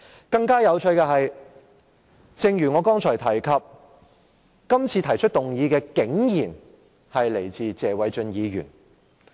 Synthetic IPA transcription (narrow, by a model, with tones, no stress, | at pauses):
kɐ˧ŋkaː˥jɐ˨˧wt͡ʃʰɵ˧ɥkɛ˧ɦɐ˨j | t͡sɪ˨˧ŋjyː˨˩ŋɔː˨˧kɔː˥ŋt͡ʃʰɔː˨˩jt̪ʰɐ˨˩jkʰɐ˨p̚ | kɐ˥mt͡sʰiː˧t̪ʰɐ˨˩jt͡ʃʰɵ˥t̚t̪ʊ˨ŋjiː˨˧kɛː˧kɪ˨˥ŋjiː˨˩n | hɐ˨jle˨˩jt͡siː˨t͡sɛː˨˧wɐ˨˥jt͡ʃɵ˧njiː˨˧ɥyː˨˩n